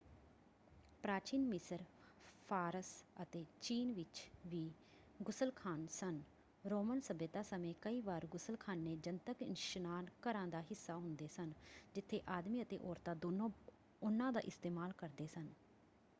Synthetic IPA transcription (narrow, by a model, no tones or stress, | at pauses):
pɾaːt͡ʃiːnmɪsəɾ | pʰaːɾəsət̪eːt͡ʃiːnʋɪt͡ʃʋiː | ɡʊsəlkʰaːnsən | ɾoːmənsəbet̪aːsəmẽːkəiːʋaːɾɡʊsəlkʰaːnːeːd͡ʒənt̪əkɪnʃnaːnkəɾãːd̪aːɦɪsːaːɦʊnd̪eːsənd͡ʒɪt̪ʰːeːʔaːd̪miːət̪ḛːʔoːɾt̪aːd̪oːnõː | ʊnːãːd̪a̰ːʔɪst̪eːmaːlkəɾd̪eːsən